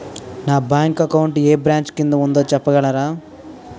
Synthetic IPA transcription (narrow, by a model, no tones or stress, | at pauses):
naːbaːŋkɐkɐwuɳʈeːbɾaːɲt͡ʃkind̪ɐund̪o̞ːt͡ʃɛpːɐɡɐɭɐɾaː